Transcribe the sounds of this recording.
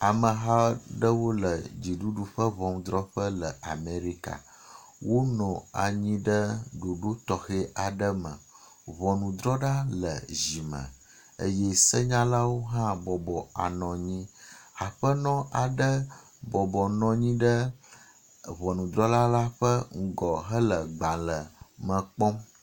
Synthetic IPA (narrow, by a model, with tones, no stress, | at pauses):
a˨mə˨ɦa˦ɖə˦wo˦lə˨d͡ʑi˨ɖu˦ɖu˦ɸə˦βɔ˨m˦d̪ɾɔ˦ɸə˦lə˨a˨me˨ɾi˦ka̰˨ | wo˦nɔ̃˨a̰˨ɲĩ˦ɖə˦ɖo˨ɖo˦t̪ɔ˨xe˦ʔa˨ɖə˦mə̰̃˨ | βɔ˨nũ˨d̪ɾɔ˦ɖa˦lə̰˨zi˨mə̰̃˨ | ə̰˦jɛ˦sə˦ɲã˦la˦wo˦ɦã˦bɔ˨bɔ˨a̰˨nɔ̃˨ɲĩ˦a˨ɸə˦nɔ̃˦a˨ɖə˦ | bɔ˨bɔ˨nɔ̃˨ɲĩ˦ɖə˦ | βɔ˨nũ˨d̪ɾɔ˦la˦la˦ɸə˦ŋ̩˦ɡɔ˨ɦə˦lə˨ɡ͡bã˨lə˨mə̃˨k͡pɔ̃˦m